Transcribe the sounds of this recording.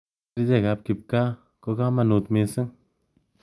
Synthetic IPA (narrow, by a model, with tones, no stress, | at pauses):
ɾd͡ʒe˦˨ɣa˨˧p̚ki˧˨p̚ka˦ | ko˧ka˦ma˧nu˨t̪me˧sɨ˦ŋ